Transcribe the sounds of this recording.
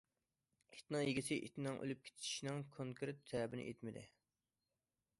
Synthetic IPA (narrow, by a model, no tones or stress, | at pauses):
i̥t̪nɨŋjeɡʲisɪʔit̪nɨŋʔø̰lyp̚kʲʰe̥t̪ʰi̥ʃnɨŋkʰoŋkʰeɾt̪ʰːɛːbɪnɪ̰ʔet̪mɪd̪ɪ̰